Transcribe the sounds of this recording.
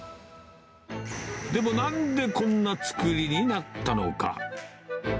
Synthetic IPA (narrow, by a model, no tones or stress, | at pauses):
d̪e̞mo̞nãnd̪e̞kõ̞nːat͡sɨ̥kɯɾʲiɲ̟inat̪ːano̞̰ka̰